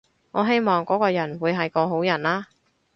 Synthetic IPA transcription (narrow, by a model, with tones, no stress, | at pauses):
ŋɔː˨˧ɦe˥jmɔː˨ŋkɔː˨˥kɔː˧jɐ˨˩nwuː˨˧jɦɐ˨jkɔː˧ɦo˨˥wjɐ˨˩nlaː˥